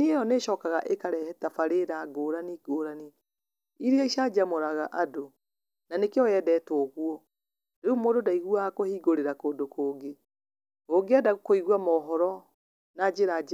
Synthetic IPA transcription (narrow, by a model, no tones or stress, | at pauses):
niejɔneʃɔkaɣaʔekaɾɛhɛtafaɾeɾaɡoɾaniɡoːɾani | iɾeaiʃad͡ʒamoɾaɣaʔado | nanekeɔjɛdɛtooɣuɔ | ɾeumoːdodaiɣuakohiːɡoɾeɾakoːndokoːɡe | oɡeadaɣokoiɣwamɔɦɔɾɔ | nad͡ʒeɾad͡ʒ